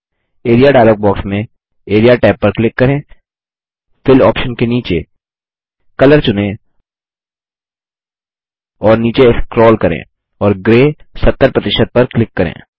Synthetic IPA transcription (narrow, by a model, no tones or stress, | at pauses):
eːɾijaɖaːloːɡ̚bɔːksmẽ | eːɾijaʈɛːpːɐɾklɪkːɐɾẽː | fɪlɔːpʃənkeniːt͡ʃe | kɐləɾt͡ʃʊnẽ | ɔːɾniːt͡ʃeɪskɾɔːlkɐɾḛ̃ː | ɔːɾɡɾeːsɐt̪ːəɾpɾɐt̪ɪʃət̪̚pɐɾklɪkːɐɾḛ̃ː